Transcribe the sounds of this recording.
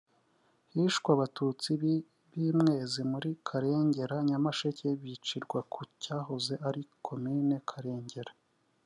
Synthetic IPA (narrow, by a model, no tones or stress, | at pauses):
hiʃkwaβatut͡si | βiːmŋe̞ːzimuɾikʰaɾe̞ːɲɟe̞ɾaɲamaʃece̞βit͡ʃiɾɡwakʰucaːɦoze̞ʔaɾikʰo̞mine̞kʰaɾe̞ːɲɟe̞ɾa